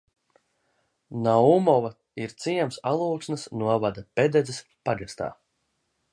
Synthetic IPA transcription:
naumɔva | iɾt̪siɛmsalˠuːksnɐsnuɔvad̪aped̪ɛzɛs | paɡast̪a̰ː

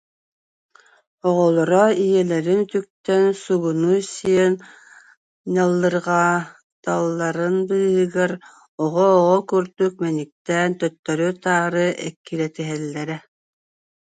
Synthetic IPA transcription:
ɔʁɔlˠɔɾɔijɛlɛɾint̪yk̚t̪ɛnsuɣunusiɛn | nalˠːɯɾʁa | t̪alˠːɑɾɯnbɯɦɯɡɛɾ | ɔʁɔːʁɔkyɾd̪yk̚mɛnik̚t̪ɛnt̪œt̪ːœɾyt̪aːɾɯʔɛkːilɛt̪iɦɛlːɛɾɛ

